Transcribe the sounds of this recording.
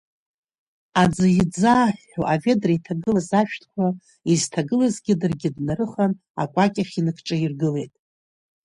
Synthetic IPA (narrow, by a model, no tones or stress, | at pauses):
ad͡zɨjid͡zaħʷːṵʔave̞draitʰaɡɨlazaʃᶣtʰkʷʰa | iztʰaɡɨlazɡʲɪdɨrɡʲɪdnaɾɨχan | a̰kʷʼakʲʼaχʲinɨkʰʈ͡ʂʼairɡɨle̞jtʼ